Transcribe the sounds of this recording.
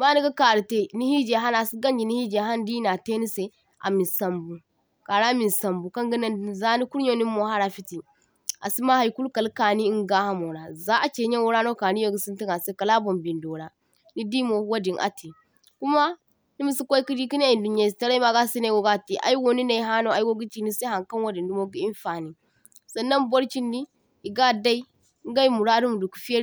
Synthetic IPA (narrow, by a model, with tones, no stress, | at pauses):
ma˦ni˦ɡa˦ka˨ɾi˨te˦ni˦hi˦d͡ʒe˨ɦa˦na˨si˦ɡa˦nd͡ʒi˨ni˦hi˦d͡ʒe˨ɦa˦ndi˦na˨te˦ni˦se˨ | ʔa̰˨mi˨sa˨mbu˨ | ka˨ɾa˦mi˨sa˨mbu˨ka˦ŋɡi˦na˦n˨za˦ni˦ku˦ɾɲo˦ni˦mːo˨ha˦ɾa˨fi˦ti˨ | a̰˨si˦ma˦ha˨jku˦lka˨lka˨ni˦i˦ŋɡa˦ha˦mo˨ɾa˨za˦ʔa˨t͡ʃe˨ɲe˦wo˦ɾa˦no˦ka˨ni˦jo˦˨ɡu˨si˦nti˦ŋa˨se˦ka˨la˦bo˨mbi˨ndo˨ɾa˨ | ni˦di˦mo˨˦wo˦di˨nʔa̰˨ti˨ | ku˦ma˦ | ni˦mu˦si˦kʷo˦i˦ki˦di˦ki˦n˦a˨i˨ndu˨ɲ˦a˨sta˦ɾa˦i˦ma˦ɡa˦si˦na˨wo˨ɡa˦˨ti˨ʔa̰˨ji˦wo˨ni˦na˨i˨˦ɦa˦no˦˨a˨ji˦wo˦ɡi˦ti˨ni˦sa˦ha˨ŋka˦nwo˦di˨ndu˦mo˦ɡi˦i˦n˦fa˨ni˨ | sa˨nːa˦nbo˦ɾt͡ʃi˦ndi˦ | i˨ɡa˦da˦i˦ | ɡa˦i˦mu˨ɾa˦du˦mu˨du˨ku̥˨˦fi˦e˦